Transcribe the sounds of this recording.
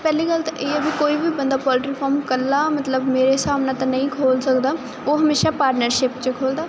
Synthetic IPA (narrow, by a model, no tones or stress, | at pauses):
pɛːliːkəlt̪aʔeːəbikoːiːbiːbənd̪aːpɔːlɪʈɪkpʰɔːɾmkəɾlaːmət̪ləbmeːɾesaːmnãːt̪ãnəĩːkʰoːlsəkd̪aː | oːɦəmeːʃaːpaːɾʈnəɾʃɪpt͡ʃəkʰoːld̪aː